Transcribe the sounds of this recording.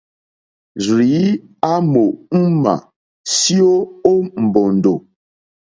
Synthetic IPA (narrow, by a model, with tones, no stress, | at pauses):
zɾi˨˦ | a˦mo˨m̩˦ma̰˨ | sjo˦o˦m̩˨bɔ˨n̩˨do˨